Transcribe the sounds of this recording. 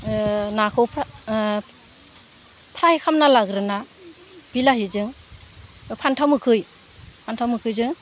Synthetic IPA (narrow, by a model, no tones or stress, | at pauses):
nakʰɯwpʰ | pʰɾajkʰamnalaɡɾɯna | b̥ilahizɯŋ | pʰantʰawmɯkʰɯj | pʰantʰawmɯkʰɯjzɯŋ